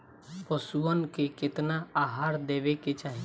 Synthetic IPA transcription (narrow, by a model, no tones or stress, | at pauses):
pəsuənkekɪt̪naaːɦaːɾd̪eːʋeket͡ʃaːɦi